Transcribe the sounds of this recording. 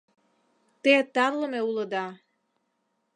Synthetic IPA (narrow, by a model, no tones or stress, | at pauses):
t̪et̪ɑrlə̆meuləd̪ɑ